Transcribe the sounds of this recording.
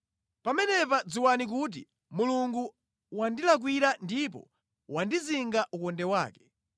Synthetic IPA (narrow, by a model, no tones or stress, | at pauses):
pamɛnɛpad͡ziwanik̬ut̬ḭ | muluŋɡu | wandilak̬wiɾandip̬ɔ̰ | wandiziŋɡaʔukɔndɛwa̰ːkɛ̥